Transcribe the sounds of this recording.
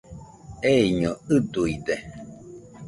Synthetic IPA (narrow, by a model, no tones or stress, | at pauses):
eiɲɔɨd̪uid̪e